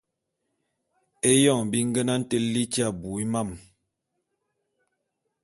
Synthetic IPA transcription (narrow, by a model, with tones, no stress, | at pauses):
e˦jɔ˦˨ŋbi˦ŋ˦ɡə˦na˦n̩˦te˦li˦t͡ʃi˦a˦˨bu˨i˦ma˦˨m